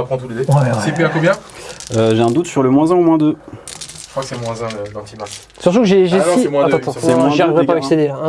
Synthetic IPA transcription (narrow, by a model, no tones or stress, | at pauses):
apχɑ̃t̪uled̪esepiãkɔ̃bjɛ̃øʒeɛ̃d̪ut̪syʁləmwɛ̃zɛ̃omwɛ̃d̪ø̥ | əkχwakəsɛmwɛ̃zɛ̃əd̪ɑ̃t̪imat | syʁt̪ukəʒeʒẽiɛmwɛ̃atd̪ɑ̃t̪ɑ̃ɛm̃ɛ̃ʒaʁivʁɛpavɛksed̪eã